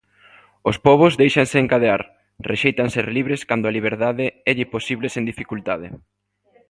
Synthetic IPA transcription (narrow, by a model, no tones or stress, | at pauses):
ospɔβ̞ozðejʃaŋseːŋkaðea̰ɾ | rʔeʃejt̪aŋseɾliβɾeskand̪oaliβ̞eɾðaðɪɛʎɪposiβlesend̪ifikult̪að̞e